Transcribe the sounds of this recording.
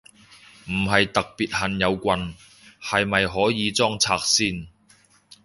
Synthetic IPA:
m̩˨˩ɦɐ˨jt̪ɐ˨k̚piː˨t̚hɐ˨njɐ˨˧wkʷɐ˧n | hɐ˨jmɐ˨jɦɔː˨˥jiː˨˧t͡sɔː˥ŋt͡sʰaː˧k̚siː˥n

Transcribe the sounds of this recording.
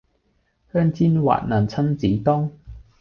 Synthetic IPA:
hœː˥ŋt͡siː˥nwa̰ː˨t̚na˨˩nt͡sʰɐ˥nt͡siː˨˥t̪ɔː˥ŋ

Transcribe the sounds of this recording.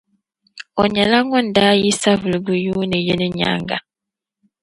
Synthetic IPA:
ɔ˨ɲɛ˨la˦ŋɔ̃˦n̩˨da˦ji˦sa˦vu˨lɡu˨ju˦nɪ̃˨je˦nɪ̃˦ɲa̰˨˦ŋɡa̰˨

